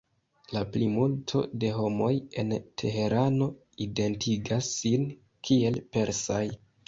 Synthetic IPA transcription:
laplimultʰo̞̰de̞ɦo̞mo̞je̞̰ntʰe̞ɦe̞ɾano̞ | ide̞ntʰiɡasːin | kʰie̞lpe̞ɾsaj

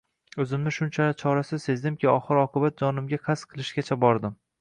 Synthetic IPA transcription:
ɵzɪmnɪʃʊnt͡ʃʰalɪt͡ʃʰɒɾasɪse̞zd̪ɪmkʲʰɪɒχɨɾɒqʰɨbat̪̚d͡ʒɒnɪmɡʲaqʰasqʰɨlˠɪʃɡʲat͡ʃʰabɒɾd̪ɪm

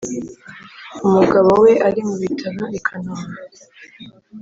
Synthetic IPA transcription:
umuɡaβowe̞ʔaɾimuβitʰaɾoekʰanoma

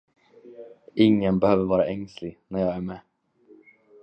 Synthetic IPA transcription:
ʔɪŋːənbɛhøːvəɾvɑːɾaʔɛŋslɪɡnæɾjɑːɡæɾmɛː

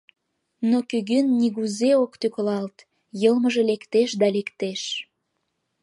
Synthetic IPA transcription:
nokyɣynːiɣuzeokt̪yklɑlt̪ | jəlməʒelekt̪eʃd̪ɑlekt̪eʃ

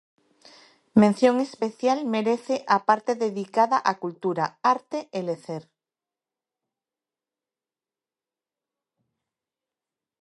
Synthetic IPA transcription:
mẽn̟θjoŋespeθjalmeɾeθeʔapaɾt̪eðeðikaðaʔakult̪uɾaaɾt̪eeleθeɾ

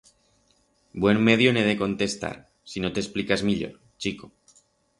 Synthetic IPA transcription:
bwe̞mme̞ðjone̞ðe̞ko̞nt̪e̞st̪a̰ɾ | sino̞t̪e̞splikazmiʎo̞̰ɾ | t͡ʃiko

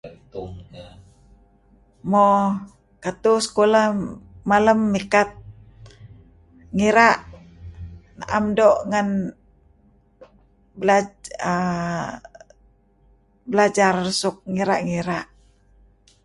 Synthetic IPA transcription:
mo | kat̪usə̥kolahmaləmːikat̪̚ | ŋiɾaʔ | na̰ʔamdoʔŋan | bəlaə | bəlad͡ʒarsʊk̚ŋiɾaʔŋiɾaʔ

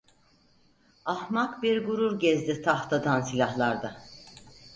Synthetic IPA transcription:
ahmakbiɾɡuɾuɾɟɛzd̪it̪ʰaht̪ʰad̪ansilʲahlˠaɾd̪a

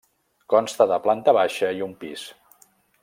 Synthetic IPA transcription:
kɔnst̪əðəplant̪əβaʃəiumpis

